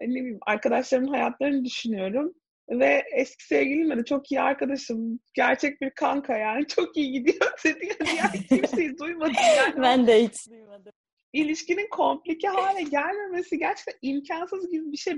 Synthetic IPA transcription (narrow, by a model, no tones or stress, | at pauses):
nebia̰ɾkad̪aʃlˠaɾɯnɦajat̪ʰlˠaɾɯnɯd̪yʃynyjo̞ɾum | vɛɛscʰi̥sɛvɟilʲimed̪it͡ʃʰo̞kijia̰ɾkad̪aʃˠɯmɟæɾt͡ʃʰɛc̚biɾkʰaŋkʰajaːnit͡ʃʰo̞kijiɟid̪ijosed̪ijanijaɾcʰiɾʃejid̪ujmad̪ɯbænd̪ɛjit̪ | ilʲiʃcininkʰo̞mplʲicʰɛɦaːlʲɛɟælʲme̞mesiɟæɾt͡ʃʰɛ̥c̚t̪ʰænimcʰansɯzɟibibiʃej